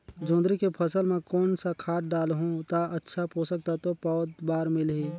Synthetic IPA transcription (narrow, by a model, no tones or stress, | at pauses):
d͡ʒõːnd̪ɾikepʰəsəlmẽkɔːnsakʰaːt̪̚ɖaːlɦũt̪aʔətːʃʰapoːsək̚t̪at̪opɔːd̪baːɾmɪlɦiː